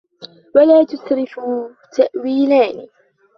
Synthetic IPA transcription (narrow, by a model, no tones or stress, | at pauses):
walaːt̪ʊsɾɪfuː | t̪aʔwiːlaːnɪ